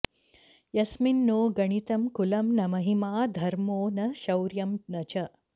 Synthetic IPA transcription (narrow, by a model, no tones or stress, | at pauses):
jɐsminːoːɡɐɳ̃it̪ɐmkulɐmnɐmɐɦimaːd̪ʱɐɾmoːnɐʃɐwɾjɐmnɐt͡ʃɐ